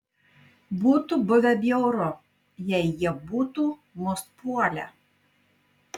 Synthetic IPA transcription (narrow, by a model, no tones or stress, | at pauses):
buːt̪ubʊʋʲɛb̪ʲjɛʊɾʊ | jɛɪjiɛbuːt̪uːmʊst̪̚puɔlʲɛ̰